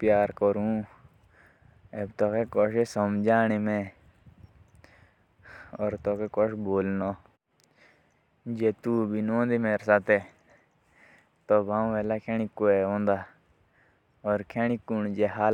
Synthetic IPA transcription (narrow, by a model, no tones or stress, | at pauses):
pjaːɾkɔɾũː | ebt̪oːkekɔʃesəmd͡ʒaːnemẽː | ɔːɾt̪oːkekɔʃboːlno | d͡ʒeːt̪uːbʱinõːnd̪imeːɾsaːt̪eː | t̪obãːʋɛːlakʰeːñikːoeõːnd̪aː | ɔːɾkʰeːnikːund͡ʒeːɦaːl